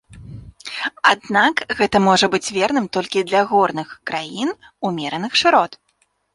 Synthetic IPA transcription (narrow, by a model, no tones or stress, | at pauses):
ad̪nakɣɛt̪ɐmɔʐɐbɨt͡sʲvʲɛrnɨmt̪ɔlʲkʲid̪lʲɐɣɔrnɨxkɾajin | umʲɛɾɐnɨxʂɨɾɔt̪